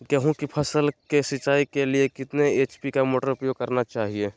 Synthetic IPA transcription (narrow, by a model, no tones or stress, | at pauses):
kɛɦũkipʰɐsəlkesɪt͡ʃaːikeliekɪt̪neeːt͡ʃpikamoːʈəɾʊpjoːɡ̚kɐɾnat͡ʃaːɦie